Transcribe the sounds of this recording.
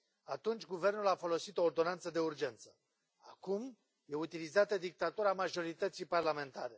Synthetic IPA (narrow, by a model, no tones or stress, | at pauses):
at̪unt͡ʃʲɡuve̞rnulafo̞lo̞sit̪o̞ːrd̪o̞nant̪səd̪e̞urd͡ʒe̞nt̪sə̥ | akum | jeut̪ilizat̪ed̪ik̚t̪at̪uɾamaʒo̞ɾit̪ət̪sijparlame̞nt̪aɾe̞